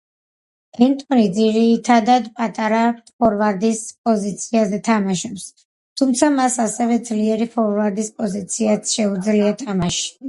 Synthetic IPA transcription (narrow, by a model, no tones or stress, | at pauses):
ɛnt̪ʼɔnid̪ziɾit̪ʰad̪ad̪pʼat̪ʼaɾaχɔɾvaɾd̪ispʼɔzit̪sʰiazɛt̪ʰamaʃɔps | t̪ʰumt̪sʰamasasɛvɛd̪zliɛɾifɔɾvaɾd̪ispʼɔzit̪sʰiat̪sʃɛud̪zliat̪ʰamaʃi̥